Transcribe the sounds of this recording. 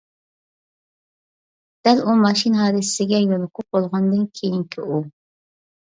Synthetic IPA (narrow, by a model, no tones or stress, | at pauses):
d̪̥ælumɑʃinɦɑːd̪ɨsɪɡʲɛjolˠɨqʰʊq̚bolˠʁɑnd̪ɨnkʲʰejiŋkʲʰiu